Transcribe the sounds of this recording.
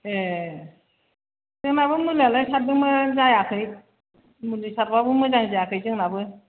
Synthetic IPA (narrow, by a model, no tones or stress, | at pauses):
e | zɯŋnabɯmulialajsat̚dɯŋmɯzajakʰɯj̚ | mulisaɾbabɯmɯzaŋzajakʰɯjzɯŋnabɯ